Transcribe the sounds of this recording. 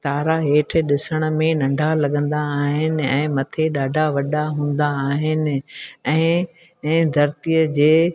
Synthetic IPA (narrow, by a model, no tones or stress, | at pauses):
t̪aːɾaɦeːʈʰɪ̆ɗɪsəɽ̃ə̆mẽnɐ̃ɳɖʱalɐɠə̃nd̪aːɦɪnɪ̆ɛ̰̃ːmɐt̪ʰeɗaːɖʱaʋɐɗaɦũːn̆d̪aːɦɪnɪ̆ɛ̃ː | d̪ʱɐɾt̪ijəd͡ʑeː